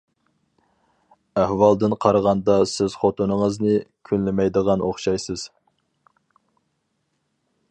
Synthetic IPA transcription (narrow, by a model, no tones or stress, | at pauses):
æhwɑlˠd̪ɨnqʰɑɾəʁɑnd̪ɑsɪz̥χot̪unəŋəznɨkʲʰynllɪmɛjd̪əʁɑnʔo̰χʃɑjsɨz̥